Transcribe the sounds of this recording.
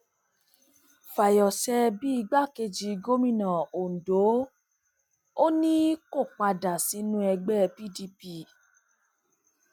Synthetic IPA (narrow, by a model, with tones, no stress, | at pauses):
fa˨jɔ˨sɛ˧bi˦i˧ɡ͡ba˦˨ke˧d͡ʒi˧ɡo˦mĩ˦˨nã˨o˨n̩˨do˨˦ | o˦nĩ˦ko˦˨k͡pa˧da˨si˨˦nũ˦ɛ˧ɡ͡bɛ˦pi˦˨di˧pi˦˨